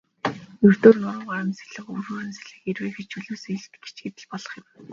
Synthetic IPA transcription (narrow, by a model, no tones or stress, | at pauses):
ɵr̥t̪oːrnʊɾə̆ɴɢaɾə̆mse̥ɮɘ̆χɵmroːɾɘ̆nse̥ɮɘ̆xerweːxet͡ɕʰɵɮuːseɮɘ̆t̪ɡe̥t͡ɕɡet̪ɘ̆ɮpɔɮɞ̆χjɪ̆m